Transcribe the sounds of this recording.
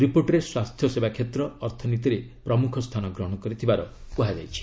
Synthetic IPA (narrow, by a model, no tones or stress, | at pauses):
ɾipoɾʈɾeswast̪ʰjɔsebakʰet̪ɾɔːɾt̪ʰɔnit̪iɾepɾɔmukʰɔst̪ʰanɔɡɾɔɦɔɽ̃ɔkɔɾit̪ʰibaɾɔpuɦad͡ʒa̰jt͡ʃʰi̥